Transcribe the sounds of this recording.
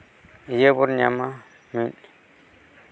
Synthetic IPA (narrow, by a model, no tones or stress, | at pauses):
jebuɾɲama | min